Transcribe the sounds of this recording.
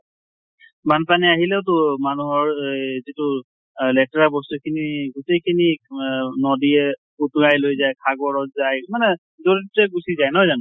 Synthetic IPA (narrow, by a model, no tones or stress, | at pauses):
manpaniaɦilɛʊtʊmanuɦɔɹzitʊ | lɛtɹabɔstukʰiniɡutejkʰini | nɔdiɛ | utuajlojzajkʰaɡɔɹɔtzajmanɛ | zoɹit̚ɛɡusizajnɦɔjzanʊ